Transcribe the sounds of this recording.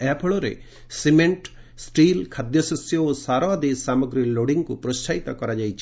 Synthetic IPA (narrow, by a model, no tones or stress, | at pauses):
ɛpʰɔɭɔɾḛ | simeɳʈ | sʈilkʰad̪jɔsɔsjɔosaɾɔd̪esamɔɡɾiloɽiŋkupɾɔst͡ʃʰait̪ɔkɔɾad͡ʒajt͡ʃʰi